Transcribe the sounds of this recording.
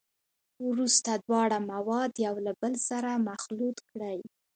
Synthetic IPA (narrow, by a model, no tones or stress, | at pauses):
wɾust̪ad̪wɑɽamawɑd̪jawlabəlsaɾamaxlut̪kɽaj